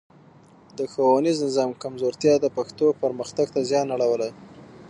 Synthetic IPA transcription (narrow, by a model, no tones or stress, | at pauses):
d̪əxawaniznɪzɑmkamzoɾt̪jɑd̪əpaxt̪opəɾməxt̪aɡt̪azjɑnaɽawəlaj